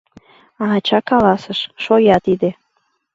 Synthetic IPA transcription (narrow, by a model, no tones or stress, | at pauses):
ɑɑt͡ɕɑkɑlɑsəʃʃojɑt̪id̪e